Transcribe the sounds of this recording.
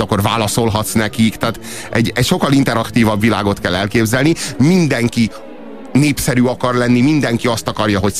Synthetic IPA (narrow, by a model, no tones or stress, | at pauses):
ɒkːo̞rvaːlɒso̞lɦɒt̪snɛkikt̪aːt̪ | ɛɟːɛcʃo̞kːɒlint̪ɛɾɒkt̪iːvɒbʋila̰ːɡo̞t̪kɛlːɛlkeːbzɛlnimind̪ɛŋki | neːpsɛɾyːɒkɒrlɛnːimind̪ɛŋkiɒst̪ɒkɒrjɒɦo̞c